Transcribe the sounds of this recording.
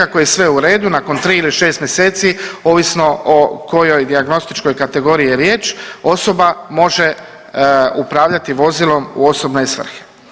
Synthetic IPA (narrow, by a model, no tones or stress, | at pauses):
ako̞jesʋe̞uɾe̞ːd̪unako̞nt̪ɾiːiliʃe̞ːst̪mjese̞ːt̪sioʋisno̞oko̞jo̞jd̪iaɡno̞st̪it͡ʃko̞jkat̪e̞ɡoːɾiːjeɾjeːt͡ʃo̞so̞bamo̞ʒe | upɾaːʋʎat̪iʋo̞zilo̞mṵo̞so̞bnesʋr̩xe̥